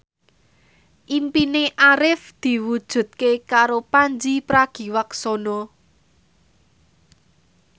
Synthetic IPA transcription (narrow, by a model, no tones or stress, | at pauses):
ʔimpineʔaɾɪfd̪̥i̤wud̥ʒ̥ṳt̪̚kekaɾopand͡ʒipɾaɡ̥i̤waksɔnɔ